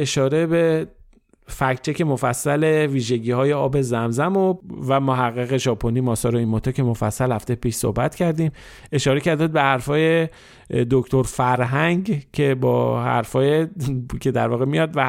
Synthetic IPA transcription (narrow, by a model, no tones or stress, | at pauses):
e̞ʃɒːɾe̞be̞ | fækt͡ʃʰece̞mofæsːæle̞viːʒe̞ɟiːhɒːje̞ɒːbe̞zæmzæmovæmoɦæɣːeɣe̞ʒɒːpʰoniːmɒːsɒːɾoinmot̪ʰɒcʰe̞mofæsːælhæft̪ejpiːʃso̰hbæt̪cʰæɾd̪iːm | e̞ʃɒːɾecæɾd̪æːd̪̚behæɾfɒːje̞ | d̪okt̪ʰoɾfæɾɦæŋɡcʰe̞bɒːhæ̰ɾfɒːjecʰe̞d̪æ̰ɾvɒːɣemijɒːd̪væ